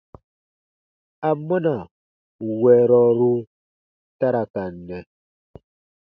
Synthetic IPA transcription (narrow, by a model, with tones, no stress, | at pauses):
a˨mːɔ˦na˨ | wɛ˨ɾɔ˨ɾu˦ | ta˦ɾa˨ka˨nːɛ˨